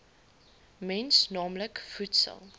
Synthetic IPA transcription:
mɛnsnɑːmləkfutsə̰lˠ

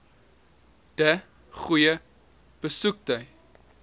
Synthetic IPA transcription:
d̥ə | χujə | b̥əsuk̚təj

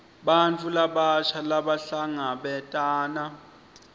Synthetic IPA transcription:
ɓant͡fʰʼulaɓaʃʰalaɓaɬaŋaɓɛtʼaːna

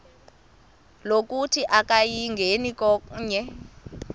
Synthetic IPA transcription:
lok̬ʼutʰiʔak̬ʼajiŋɡʱenikɔɲɛ

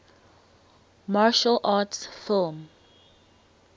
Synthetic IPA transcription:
maːʃəlʔaːtsfɪlˠm

